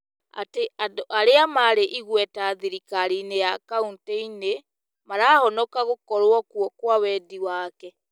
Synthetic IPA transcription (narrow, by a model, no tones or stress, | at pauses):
a̰teadoʔaɾeamaɾeʔiɣwɛtaðiɾikaɾinejakaunteine | maɾaːhɔnɔkaɣokɔɾwɔkwɔkwawɛdiwaːkɛ